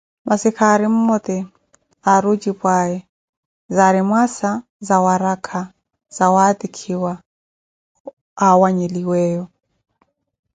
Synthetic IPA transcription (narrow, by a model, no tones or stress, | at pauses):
masikʰaɾim̩mɔt̪ʼɛ | aɾud͡ʒipʼwaɛ | zaɾimwasa | zawaɾakʰa | z̥awat̪ʼikʰiwa | awaɲeliwɛːjɔ